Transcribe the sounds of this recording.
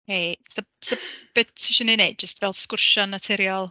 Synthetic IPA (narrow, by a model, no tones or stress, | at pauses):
heθə | səb̥ɪtʰːɪʃɔnineɨd̚d͡ʒəstvɛlˠskʊrʃɔnːatʰɛɾjɔlˠ